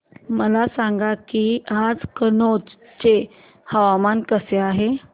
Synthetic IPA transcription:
məlasaŋɡakiːad͡zkənot͡s | t͡ɕe | həʋamankəseaɦe

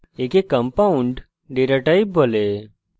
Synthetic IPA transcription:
ekekːɐ̃mpaũɳɖ | ɖeɾaʈaibbʱole

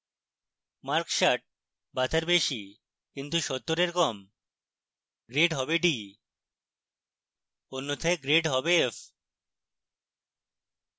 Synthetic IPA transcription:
maɾkʃaʈ̚ | bat̪ʰaɾbeʃi | kint̪uʃɔt̪ːoɾeɾkɔm | ɡɾeɖɦɔbeɖi | onːot̪ʰeɡɾeɖɦɔbeef

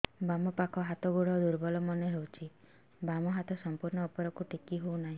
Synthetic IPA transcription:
bamɔpakʰɔɦat̪ɔɡuɽɔd̪uɾbɔlɔmɔneɦewt͡ʃʰi | bamɔɦat̪ɔsɔmpuɾɳɔːpɔɾɔkuʈikiɦownaɦĩ

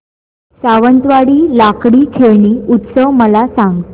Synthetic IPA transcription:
saʋənt̪ʋaɽiːlakɽiːkʰeɳ̃iːut̪səʋməlasaŋɡt̪

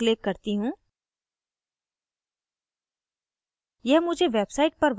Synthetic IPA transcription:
lɪkːɐɾt̪iɦũː | jɛɦmʊd͡ʒʱeʋeːbsaɪʈ̚pɐɾʋ

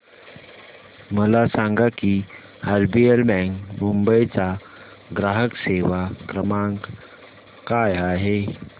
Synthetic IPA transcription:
məlasaŋɡaki | aɾbielbɛŋkmumbəjt͡sa | ɡɾaɦəkseʋakɾəmãŋk | kajaɦe

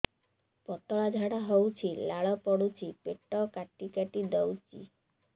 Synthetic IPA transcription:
pɔt̪ɔɭad͡ʒʱaɽaɦowt͡ʃʰilaɭɔpɔɽut͡ʃʰipeʈɔkaʈikaʈid̪ɔwt͡ʃḭ

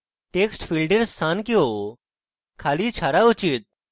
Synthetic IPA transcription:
ʈeksʈfilɖeɾst̪ʰankio | kʰaliːt͡ɕʰaɾaut͡ɕiːt̪̚

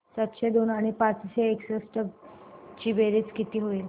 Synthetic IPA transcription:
sət̪ɕed̪onaɽ̃ipat͡sɕeeksəsʈəbt͡ɕiːʋeɾiːd͡zkit̪iːɦoil

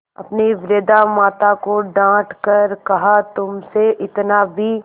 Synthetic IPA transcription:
ɐ̰pniʋɾeːd̪amaːt̪akoɖãːʈʰkɐɾkɐɦat̪ʊmseʔɪt̪nabʱiː

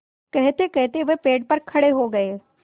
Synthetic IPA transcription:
kɛɦt̪ekɛɦt̪eʋɛpeːɖ̚pɐɾkʰɐɽeɦoɡɐeː

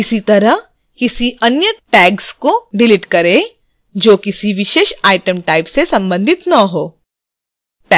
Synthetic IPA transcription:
ɪsit̪ɐɾəɦ | kɪsiʔɐnjəʈɛːɡskoɖɪlɪʈkɐɾe | d͡ʒoːkɪsiʋɪʃeːʃaːɪʈəmʈaːɪpsesɐ̃mbə̃nd̪ʱɪt̪nɐɦoː | ʈɛ

